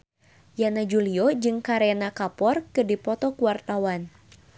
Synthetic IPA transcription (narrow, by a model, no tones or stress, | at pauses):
janad͡ʒuliɔd͡ʒɨŋkaɾenakapɔrkɨdipɔt̪ɔkuwart̪awan